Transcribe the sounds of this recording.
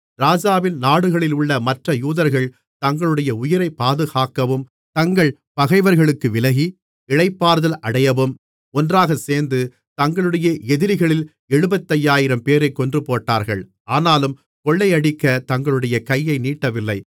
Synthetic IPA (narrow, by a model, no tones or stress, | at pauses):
ɾaːd͡ʒaːʋɪnnaːɽɯɣɐɭɪlʊɭːɐmɐʈrɐjuːðɐɾɣɐɭ | t̪ɐŋɡɐɭɯɽɐjɐʊjɪɾɐɪpːaːðɯɣaːkːɐʋɯm | t̪ɐŋɡɐɭ | pɐɣɐɪʋɐɾɣɐɭɯkːɯʋɪlɐɣi | ɪɻɐɪpːaːɾɯðɐlʔɐɽɐjɐʋɯm | ɔndraːɣɐseːɾnd̪ɯ | t̪ɐŋɡɐɭɯɽɐjɐʔɛðɪɾɪɣɐɭɪl | ɛɻɯbɐt̪ːɐjaːjɪɾɐmpeːɾɐɪkːɔndrɯpoːʈːaːɾɣɐɭ | aːnaːlɯm | kɔɭːɐɪɐɽɪkːɐt̪ɐŋɡɐɭɯɽɐjɐkɐjːɐɪniːʈːɐʋɪlːɐɪ